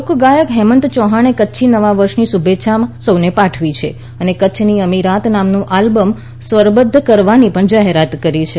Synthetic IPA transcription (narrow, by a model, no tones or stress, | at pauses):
okɡajəkɦɛmə̃nt̪t͡ʃɔɦaɽ̃ekətːʃʰinəʋaʋəɾʃnisubʱeʃʰamsəwnepaʈʰʋit͡ʃʰḛ | ənekətːʃʰniəmiɾat̪namnũʔalbəm | sʋəɾbəd̪ʱːəkəɾʋanipəɳd͡ʒaɦeɾat̪kəɾit͡ʃʰe